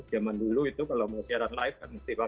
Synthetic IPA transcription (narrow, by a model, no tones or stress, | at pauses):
d͡ʒ̥amanduluit̪ukalaməsiaɾanlaɪf̚kanməst̪ipa